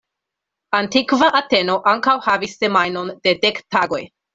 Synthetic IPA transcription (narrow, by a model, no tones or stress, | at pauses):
antikvaʔate̞no̞ʔaŋkawhavisːe̞majno̞nde̞de̞ktaɡo̞j